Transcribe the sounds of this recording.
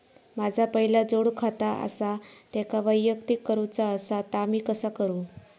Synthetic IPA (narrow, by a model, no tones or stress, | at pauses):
mad͡zʱapəɦilad͡zoɽkʰat̪aʔə̰sat̪ɛkaʋəjːəkt̪ikːəɾut͡saəsat̪amiːkəsakəɾuː